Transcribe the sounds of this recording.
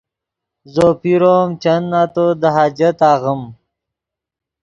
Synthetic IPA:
zoːpiɾoːmt͡ʃɐnːat̪od̪ɐɦaːd͡ʑɐt̪aːɣəm

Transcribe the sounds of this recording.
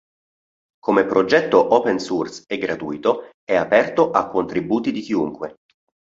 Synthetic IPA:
komepɾod͡ʒɛt̪ːoʔɔpensursɛɡɾat̪uit̪o | ɛapɛrt̪oʔakːont̪ɾibuːt̪id̪ik̟iuŋkwe

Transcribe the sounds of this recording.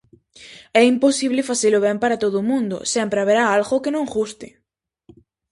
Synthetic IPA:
ɛimposiβlɪfaseloβ̞ɛmpaɾat̪oðʊːmũnd̪ʊ̰sɛmpɾeaβ̞eɾaalɣokenõŋɣust̪ɪ

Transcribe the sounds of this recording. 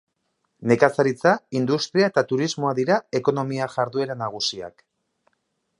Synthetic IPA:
ne̞kasaɾit͡saind̪ust̪ɾiae̞t̪at̪uɾizmo̞aðiɾae̞ko̞no̞miaʝaɾðue̞ɾanaɣ̞usia̰k

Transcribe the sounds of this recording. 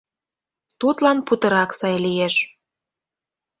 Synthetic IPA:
t̪ut̪lɑnput̪ɤ̆ɾɑksɑjlijeʃ

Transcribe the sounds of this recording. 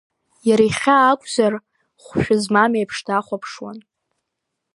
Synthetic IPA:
jaɾajχʲaːkʷʼzar | χʷʃᶣʊzmamejpʰʂtʰaχʷapʰʂwa̰n

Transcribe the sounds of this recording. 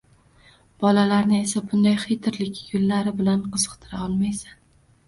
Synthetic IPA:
b̥ɒlalaɾnɪe̞sabʊnd̪ajχejt̪ʰɪɾlɪkʲɡʊlːaɾɪbɪlanqɨzɨqt̪ʰɪɾaɒlˠmajsan

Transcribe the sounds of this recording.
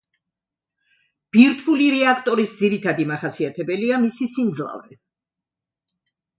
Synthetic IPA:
b̥iɾt̪ʰuliɾɛakʰt̪ʼɔɾisd̪ziɾit̪ʰad̪imaχasiat̪ʰɛbɛliamisisimd̪zlˠa̰vɾɛ

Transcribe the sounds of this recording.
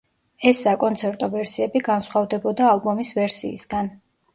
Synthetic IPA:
ɛsːakʼɔnt̪sʰɛɾt̪ʼɔvɛɾsiɛbiɡansχwavd̪ɛbɔd̪aːlˠbɔmisvɛɾsḭːsɡan

